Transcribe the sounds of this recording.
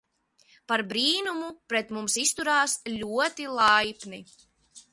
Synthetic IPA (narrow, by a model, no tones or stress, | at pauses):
paɾbɾiːnumupɾɛt̪mumsist̪uɾaːslʲuɔt̪ilˠajpni